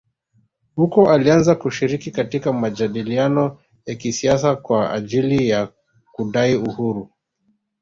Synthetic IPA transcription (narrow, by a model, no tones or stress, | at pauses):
hukɔʔalianzakuʃiɾikikatikamad͡ʒaɗilianɔ | jakisiasakwaa̰ʄilija | kuɗaiuhuɾu